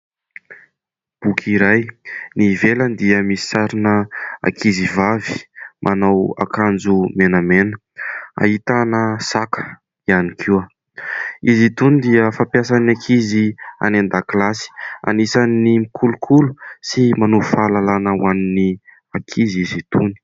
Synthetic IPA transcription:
b̥ukʰiɾajnivelənd̪iəmisi̥saɾinəa̰kʰizivavi̥mʔanawa̰kand͡zumenəmenə | a̰ɦit̪anəsakə̥ | ianikʰiwə | izit̪unid̪iəfapjas̬anakʰizia̰nand̪aklasi̥a̰nisanːimikʰulukʰulusimanuufalalanawanini | akʰizizit̪uni̥

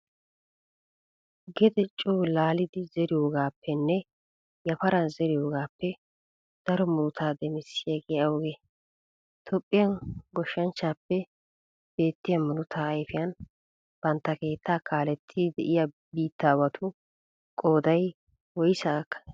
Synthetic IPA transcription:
ɡɛd̪ɛt͡ʃʼːuːlaːlɪd̪ɪzɛɾɪjo̞ːɡaːpːɛnːɛ | jɐfɐɾɐnzɛɾɪjo̞ːɡaːpːɛ | d̪̥ɐɾɔmʊnʊt̪ʰaːd̪ɛmɪsːɪjɐɡʼɛjɐwɔɡe | t̪ʰɔpʼːɪjɐnɡɔʃːɐnt͡ʃːaːpːɛ | b̥e̞ːt̪ːɪjɐmʊnʊt̪ʰaːjfɪjɐn | b̥ɐnt̪ːɐke̞ːt̪ʰːaːkʰaːlɛt̪ʰːid̪ɛʔɪja | biːt̪ːaːwɐt̪ʰʊ | kʼo̞ːd̪ɐj | wɔjsaːkːɐ̥

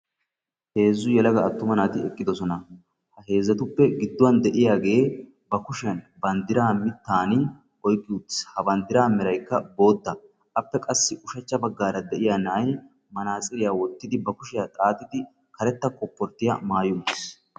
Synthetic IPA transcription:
he̞ːzːʊjɛlɐɡɐːt̪ːʊmɐnaːt̪ɪɛkʼːɪd̪ɔsɔnɐ | hɐɦe̞ːzːɐt̪ʊpːɛɡɪd̪ːʊwɐnd̪ɛʔɪjaːɡe̞ː | bɐkʊʃn | bɐnd̪ɪɾaːmɪt̪ːaːnɪ | ʔɔjkʼːɪʊt̪ːɪ̥shɐbɐnd̪ɪɾaːmɪɾɐjkːɐbo̞ːd̪ːɐ | ʔɐpːɛkʼɐsːɪʔʊʃɐt͡ʃːɐbɐɡːaːɾɐd̪ɛʔɪjaːnaːj | mɐnaːt͡sʼɪɾɪjaːwɔt̪ːɪd̪ɪbɐkʊʃɪjat̪ʼaːt̪ːɪd̪ɪ | kɐɾɛt̪ːɐkɔpːɔɾt̪ːɪjɐ̰maːjʊʊt̪ːɪs

